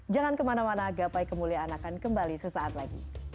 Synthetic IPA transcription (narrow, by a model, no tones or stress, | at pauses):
d͡ʒaŋankəmanamanaɡapajkəmuliaːnakankəmbalisəsaat̪laɡḭ